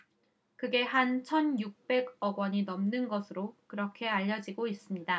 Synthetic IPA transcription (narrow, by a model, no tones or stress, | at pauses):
kɯɡe̞ɦant͡ɕʰʌnjuk̚p͈e̞ɡʌɡwʌɲinʌmnɯnɡʌsʰɯɾokɯɾʌkʰe̞aʎːʌd͡ʑiɡois͈ɯmɲida